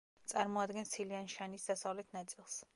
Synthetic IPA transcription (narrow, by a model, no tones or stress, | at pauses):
t̪sʼaɾmɔad̪ɡɛnsʰilianʃanisd̪asavlɛt̪ʰnat̪sʼilˠs